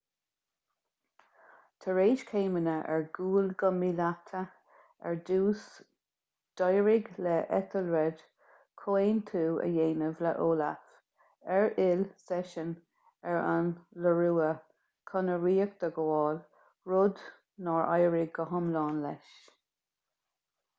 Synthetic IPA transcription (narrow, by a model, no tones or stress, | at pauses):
t̪ʰəɹeːd͡ʒkʰeːmənəʔɛ̰ɹɡuːlɡəmilat̪ʰə | ɛ̰ɹduːs | d̪̥ɔjəɹɪɡlɛʔɛt̪ʰəlɹɛd | kʰoeːnt̪ʰuːə̰jeːnəvlə̰ʔoːla̰f | ɛɹɪlsɛʃən | ɛɹa̰nləɹuːə | kʰɔnəɹiːək̚d̪̥əɡɔːl | ɹʊd̪ | nɔːɹʔa̰jəɹɪɡːəɦʊmlɑːnlɛʃ